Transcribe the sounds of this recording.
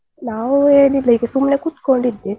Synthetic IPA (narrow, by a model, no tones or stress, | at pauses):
naːʋueːlilɐjkesumnekut̪koɳɖid̪ːi